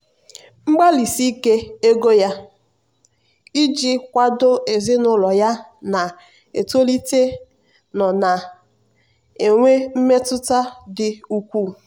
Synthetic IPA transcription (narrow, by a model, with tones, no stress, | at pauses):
ŋ͡m̩˦ɡ͡ba˦li˨si˦ke˦e˦ɡo˦ja˦ | i˦d͡ʒi˦kʷa˦dʊ˦e˨zɪ˦nʊ˦lɔ˨ja˦ | na˨ | ḛ˨to˦li˦te˦ | nɔ˨na˨ | e˨ŋʷe˦m̩˦me˦tʊ˦ta˦dɪ˨u˦kʷu˦˨